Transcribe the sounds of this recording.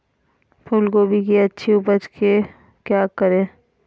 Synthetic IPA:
pʰʊlɡobʱikiɐtːʃʰiʊpət͡ʃke | kjaːkəɾẽː

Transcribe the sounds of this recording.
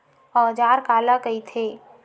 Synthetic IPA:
ɔːd͡ʒaːɾkaːlakəit̪ʰeː

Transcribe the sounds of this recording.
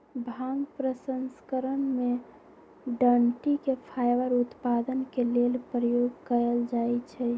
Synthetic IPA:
bʱãŋɡpɾəsənskəɾənme | ɖəɳʈikepʰajbəɾut̪pad̪ənkelelpɾəjoɡkəɾəld͡ʒajt͡ʃʰɛ

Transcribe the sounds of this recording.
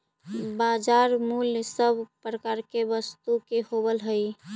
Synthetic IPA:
bad͡ʒaɾmulsəbʱpɾəkaɾkebəst̪ukehobəlɦəj

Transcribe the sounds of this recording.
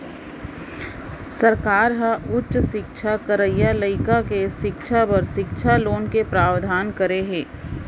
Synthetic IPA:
səɾkaːɾɦəʔʊtʃʃɪkʃʰakəɾəjaləɪkakeʃɪkʃʰapəɾʃɪkʃʰaloːnkepɾaːwd̪ʱaːnkəɾeɦeː

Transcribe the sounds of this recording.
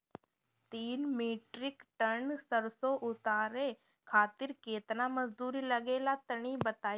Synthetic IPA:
t̪iːnmiːʈɾɪkʈəɾnsəɾsoʔʊt̪aːɾe | kʰaːt̪ɪɾkeːt̪naməzd̪uːɾilɐɡeːlat̪əɽ̃ibɐt̪aː

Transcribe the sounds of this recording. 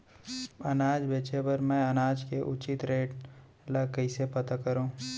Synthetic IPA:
ɐnaːd͡ʒbeːt͡ʃepɐɾmɛ̃ɐnaːd͡ʒkeʔʊt͡ʃɪt̪ɾeːʈ | lɐkəisepɐt̪akɐɾõː

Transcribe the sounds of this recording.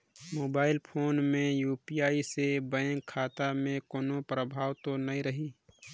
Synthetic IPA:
moːbaːɪlpʰoːnmẽjuːpijaːisebəẽŋkʰːaːt̪amẽkoːnopɾəbʱaːwt̪onɐĩɾəɦiː

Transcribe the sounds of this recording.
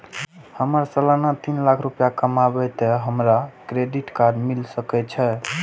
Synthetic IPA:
həməɾsəlanat̪inlakʰɾupjakəmabɛt̪ɛɦəmɾakɾeɖiʈkaɖmilsəkɛt͡ʃʰɛ

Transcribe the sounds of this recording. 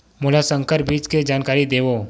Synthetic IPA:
mʊlasə̃ŋkəɾbiːt͡ʃked͡ʒaːnkaːɾid̪eːʋoː

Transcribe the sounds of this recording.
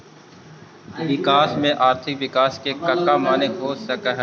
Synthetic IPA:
ʋɪkaːsmẽʔaːɾt̪ʰɪkʋɪkaːskekəkːamaːneɦoːsəkəɦ

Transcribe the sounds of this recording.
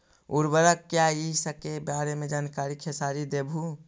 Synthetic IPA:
uɾbəɾəkːjaisəkebaːɾemẽd͡ʒaːnkaːɾikʰesaːɾid̪eːbʱu

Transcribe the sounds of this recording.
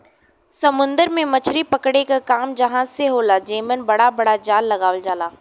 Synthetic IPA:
sɐmʊ̃nd̪əɾmẽmɐt͡ʃʰɾipɐkɽekakaːmd͡ʒɐɦãseɦoːlad͡ʒeːmənbɐɽabɐɽad͡ʒaːlːɐɡaːʋəld͡ʒaːlaː

